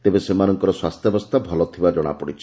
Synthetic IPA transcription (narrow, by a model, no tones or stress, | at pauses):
t̪ebesemanɔŋkɔɾɔswast̪ʰjɔbɔst̪ʰabʱɔlɔt̪ʰibad͡ʒɔɽ̃a̰pɔɽit͡ʃʰɔ